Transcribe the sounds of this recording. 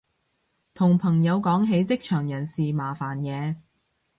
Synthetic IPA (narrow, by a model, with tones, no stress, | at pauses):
t̪ʰʊ˨˩ŋpʰɐ˨˩ŋjɐ˨˧wkɔː˨˥ŋɦe˨˧˥jt͡sɪ˥k̚t͡ʃʰœː˨˩ŋjɐ˨˩nsiː˨maː˨˩faː˨˩njɛː˨˧